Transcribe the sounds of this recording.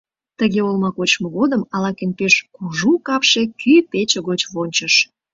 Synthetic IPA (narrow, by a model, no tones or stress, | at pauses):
t̪əɣeolmɑkot͡ɕmoɣod̪əmɑlɑkenpeʃkuʒukɑpʃekypet͡ɕeɣot͡ɕβonʲt͡ɕəʃ